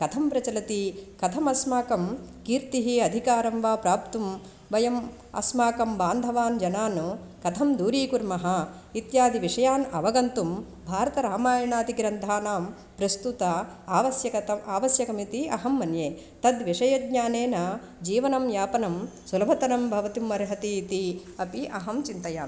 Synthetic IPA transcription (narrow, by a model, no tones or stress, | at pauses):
kɐt̪ʰɐmpɾɐt͡ʃɐlɐt̪ikɐt̪ʰɐmɐsmaːkɐmkiːɾt̪iɦiɐd̪ʱikaːɾɐmʋaːpɾaːpt̪um | ʋɐjɐm | ɐ̰smaːkɐmbaːnd̪ʱɐʋaːnd͡ʒɐnaːnu | kɐt̪ʰɐmd̪uːɾiːkuɾmɐɦɐ | it̪jaːd̪ʱiʋiʂɐjaːnɐʋɐɡɐnt̪um | bʱaːɾɐt̪ɐɾaːmaːjɐɳaːt̪iɡɾɐnd̪ʱaːnaːm | pɾɐst̪ut̪aaːʋɐsjɐkɐt̪ɐaːʋɐsjɐkɐmit̪iɐɦɐmːɐnjeː | t̪ɐd̪ʋiʂɐjɐd̪ɲaːneːnɐ | d͡ʒiːʋɐnɐmjaːpɐnɐmsulɐbʱɐt̪ɐnɐmbʱɐʋɐt̪imːɐɾɦɐt̪iːt̪i | ɐpiʔɐɦɐmt͡ʃint̪ɐjaːm